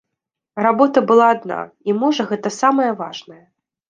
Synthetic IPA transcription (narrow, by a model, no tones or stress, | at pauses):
rabɔt̪ɐbɨlˠaːd̪na̰ | imɔʐɐɣɛt̪ɐsamɐjɐvaʐnɐjɐ